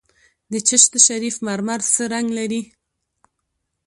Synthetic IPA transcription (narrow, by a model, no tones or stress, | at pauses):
d̪ət͡ʃəʃt̪əʃaɾifmaɾmaɾsəɾaŋɡlaɾi